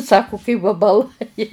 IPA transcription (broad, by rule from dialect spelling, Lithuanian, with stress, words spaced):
ˈsɑːkʊ kɐɪ ʋɐbɐˈlˠɐɪ